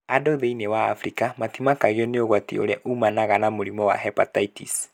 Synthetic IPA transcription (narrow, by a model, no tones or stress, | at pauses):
adoðeinewa̰ːfɾikamatimakaɣeɔneoɣwatḭo̰ɾɛʔumanaɣanamoɾimɔwa̰ɦɛpa̰taitḭs